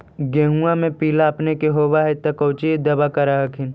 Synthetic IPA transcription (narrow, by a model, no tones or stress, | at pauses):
ɡeːɦũamẽpiːlaɐpnekeɦoːbaɦet̪ɐkɐʊt͡ʃid̪ɐbakɐɾaɦɐkʰɪn